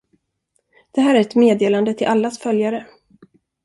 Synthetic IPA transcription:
d̪̥ɛɦæːɾæɾɛt̪meːd̪eːland̪ət̪ʰɪlʔalːasfœljaɾə

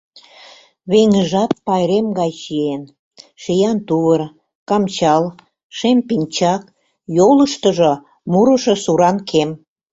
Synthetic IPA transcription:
βeŋəʒɑt̪̚pɑjɾemɡɑjʃien | ʃejɑnt̪uβər | kɑmt͡ɕɑl | ʃempinʲt͡ɕɑk̚ | joləʃt̪ə̆ʒŏ | muɾə̆ʃŏsuɾɑnkʰem

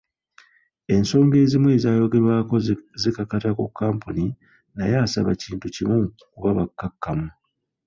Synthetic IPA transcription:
e̞nso̞ːŋɡe̞ːzimwe̞ːzaːjo̞ɡe̞ɾwaːkozikakatakukʰːaːmpuni | najaːsa̰βaciːntucimu | kuβaβakːakːamu

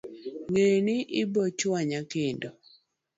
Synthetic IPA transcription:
ŋenɪʔɪbɔt͡ʃwaɲakendo

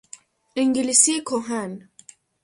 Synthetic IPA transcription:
iŋɡilisikoɦan

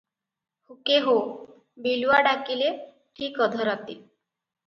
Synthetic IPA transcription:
hukeɦo | biluʋaɖakile | ʈʰiːkəd̪ʱəɾat̪i

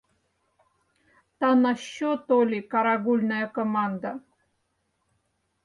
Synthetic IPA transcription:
t̪anaɕːot̪olʲikaɾaɡulʲnajəkomand̪a

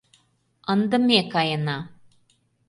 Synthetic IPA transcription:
ɐnd̪ɐmːekːajɐnːa

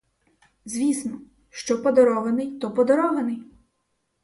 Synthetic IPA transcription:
zʲʋʲisnɔ | ʃt͡ʃɔpɔd̪ɔɾɔʋenɪjt̪ɔpɔd̪ɔɾɔʋenɪj

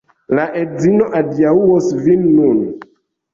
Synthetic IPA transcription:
laʔed͡zinoʔadiauwosvinːun

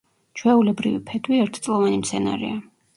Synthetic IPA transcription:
t͡ʃʰwɛulɛbɾḭvḭpʰɛd̪wiɛɾt̪ʰt̪sʼlˠɔvanimt̪sʰɛna̰ɾḭa

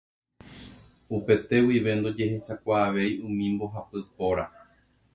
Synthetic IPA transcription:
upe̞t̪e̞wiʋe̞nd̪o̞d͡ʒe̞ɦe̞ʃakʷaːʋe̞jũmĩmbo̞ɦapɨpoɾa

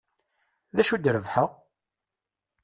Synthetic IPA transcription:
ðæʃud̪ɾəvħəʁ

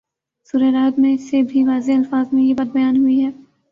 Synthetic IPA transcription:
suːɾeɾaːd̪mẽsebʱiʋaːzeɐlfaːzmẽjebat̪̚bɐjaːnɦʊiɦɛː

